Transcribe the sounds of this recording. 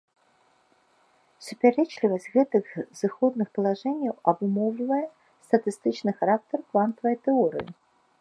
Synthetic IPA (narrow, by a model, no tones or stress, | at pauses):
supʲaɾɛt͡ʃlʲivɐsʲtʲɣɛt̪ɨɣz̥ɨxɔd̪̚nɨxpɐlˠaʐɛnʲjɐwɐbumɔwlʲivɐjɛ | st̪ɐt̪ɨst̪ɨt͡ʃnɨxaɾak̚t̪ɐrkvant̪ɐvɐjt̪ɛɔɾɨ̰jḭ